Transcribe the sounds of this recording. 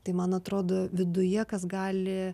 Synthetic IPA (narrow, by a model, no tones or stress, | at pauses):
t̪ɐɪmɐnɐt̪ɾoːd̪oːʋʲɪd̪ʊjɛkɐsɡɑːlʲɪ